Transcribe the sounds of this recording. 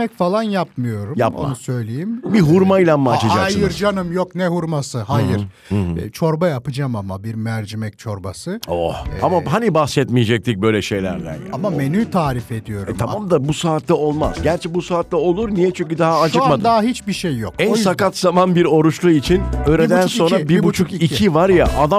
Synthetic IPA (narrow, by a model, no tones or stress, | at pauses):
ɛcfalˠanjapmɯjo̞ɾumja̰pmo̰anusø̞jlʲejimbiɦuɾmajlʲˠanmat͡ʃad͡ʒakasjɯɾd͡ʒanɯmjoknɛɦuɾmasɯhajɯɾ | t͡ʃʰo̞ɾbajapɯd͡ʒamamabiɾmæɾd͡ʒimɛc̚t͡ʃʰo̞ɾbasɯohamaɦanibahsɛt̪mijed͡ʒɛc̚t̪ʰic̚bø̞jlʲɛʃe̞jlʲæ̰ɾd̪æ̰nja̰amamenyːt̪ʰaːɾife̞d̪ijo̞ɾmʰaamd̪abusaːt̪lʲˠɛo̞lˠma̰zɟæɾt͡ʃʰɛbusaːt̪lʲɛo̞lˠuɾnijɛt͡ʃʰyɲcyd̪aɦaːt͡ʃʰɯkmad̪ɯd̪aɦaɦit͡ʃbiʃejːokænsakat̪zamanbiɾo̞ɾut͡ʃlˠuit͡ʃʰinøjɾed̪ænso̞nɾabiɾbut͡ʃʰukiivaɾja̰ʔad̪a